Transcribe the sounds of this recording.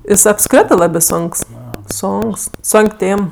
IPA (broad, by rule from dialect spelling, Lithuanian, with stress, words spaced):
ˈjɪs ɐpˈskrʲɪtɜ ˈlˠɑːbʲeː ˈsoːŋks ˈsoːŋks ˈsoːŋʲkʲ ˈtʲeːm